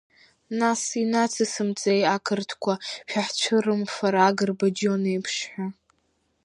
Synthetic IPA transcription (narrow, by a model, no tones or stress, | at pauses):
nasinat͡sʰɨsɨmt͡sʼejakʰɨrtʰkʷʰaʃᶣaħt͡ʃʷʰɨrɨmfaɾaːɡɨrbad͡ʒonejpʰʂħʷᶣa